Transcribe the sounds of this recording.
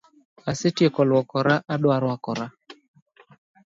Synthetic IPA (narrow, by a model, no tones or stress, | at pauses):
asetjekɔlwɔkɔɾaʔaɗwaɾwakɔɾa